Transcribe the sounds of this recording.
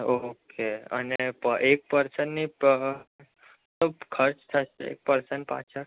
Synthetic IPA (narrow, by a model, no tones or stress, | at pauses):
okeə̰nepəʔek̚pəɾsənːi | səbkʰəɾt͡ʃt̪ʰəʃeḛk̚pəɾsənpa̰t͡ʃʰə